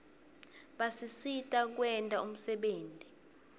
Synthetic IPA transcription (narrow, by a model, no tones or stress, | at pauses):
ɓasisitʼak̬wɛntʼaum̩sɛɓeːntʼi